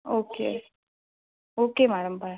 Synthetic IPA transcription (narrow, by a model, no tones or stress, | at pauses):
oːkḛː | oːkemaːɽɐmbaː